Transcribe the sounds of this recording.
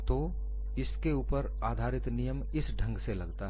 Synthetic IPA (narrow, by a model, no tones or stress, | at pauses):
t̪o | ɪskeuːpəɾ | aːd̪ʱaːɾɪt̪nijəm | ɪsɖʱə̃ŋɡselɐɡt̪aɦ